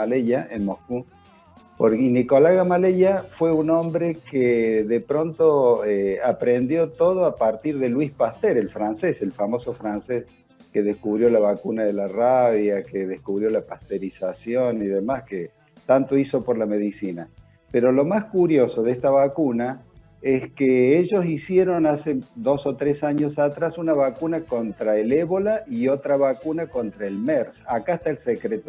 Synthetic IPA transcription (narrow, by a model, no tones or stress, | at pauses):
aleʎaʔenmohku | poɾiniko̞laɣamaleʎafwe̞unõ̞mbɾekeðepɾo̞nt̪oeapɾend̪jo̞t̪o̞ð̞oapaɾt̪iɾðelwispast̪eɾelfɾanseselfamo̞so̞fɾanses | keðeskuβɾjo̞laβakunaðelaraβjakeðehkuβɾjo̞lapast̪eɾisasjo̞niðemaske | t̪ant̪o̞iso̞poɾlameðisina | peɾo̞lo̞maskuɾjo̞so̞ðest̪aβakuna | eskeeʒo̞sisje̞ɾo̞nased̪o̞so̞t̪ɾesaɲosat̪ɾasunaβakunako̞nt̪ɾaeleβo̞laio̞t̪ɾaβakunako̞nt̪ɾaelmeɾsakaest̪aelsekɾet̪o